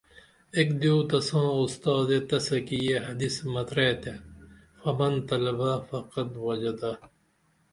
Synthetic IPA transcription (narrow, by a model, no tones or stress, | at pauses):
ekd̪uːt̪ɐsãːust̪ɑːd̪et̪ɐsɐkijeɦɐd̪ismɐt̪ɾet̪ʰe | fɐmɐnt̪ɐlɐbafɐqɐt̪wɐd͡ʑɐd̪a